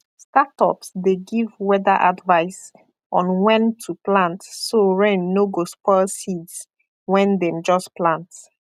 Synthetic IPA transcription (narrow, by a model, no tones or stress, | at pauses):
statɔ̰psdeɡivwɛdaʔadvaɪs | ʔɔ̃nwɛ̃ntʰuplãntsoɹɛ̃nːoɡospɔlsids | wɛ̃ndɛ̃md͡ʒɔsplãnt